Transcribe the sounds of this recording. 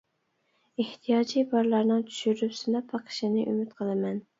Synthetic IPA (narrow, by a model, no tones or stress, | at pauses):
eht̪ʰijɑːd͡ʒibɑɾlˠɑɾnɨŋt͡ʃ̪ʰy̥ʃyɾypsɨnɑpʰːɑqʰə̥ʃɪnɨʔymyt̪qʰəlˠɨmɛn